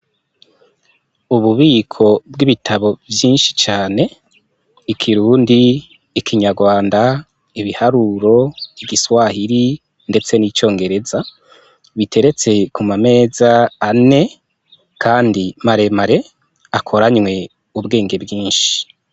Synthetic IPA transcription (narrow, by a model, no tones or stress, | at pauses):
uβuβiːkʰo̞bɡiβitʰaβo̞vjiːnʃi̥t͡ʃaːne̞ | ikʰiɾuːndiː | kʰiɲaɾɡwaːnda | iβihaɾuɾo̞iɡiswahiɾi | nde̞t͡se̞niːt͡ʃo̞ːŋɡe̞ɾe̞za | βitʰe̞ɾe̞t͡se̞kumame̞ːzaːne̞ | kʰaːndimaɾe̞maɾe̞ | akʰo̞ɾaɲŋwe̞ | ubɡe̞ːŋɡe̞bɡiːnʃi̥